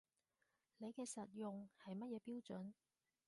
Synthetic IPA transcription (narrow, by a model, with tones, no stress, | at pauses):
le˨˧jkɛː˧sɐ˨t̚jʊ˨ŋhɐ˨jmɐ˥t̚jɛː˨˧piː˥wt͡ʃɵ˨˥n